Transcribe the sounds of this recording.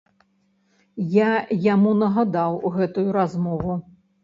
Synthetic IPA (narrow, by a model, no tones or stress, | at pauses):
jajamunɐɣad̪awɣɛt̪ujuɾazmɔvu